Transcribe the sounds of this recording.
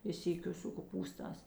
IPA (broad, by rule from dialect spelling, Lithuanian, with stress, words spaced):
ɪ ˈsʲiːkʲʊ sʊ koːˈpuːstɑːs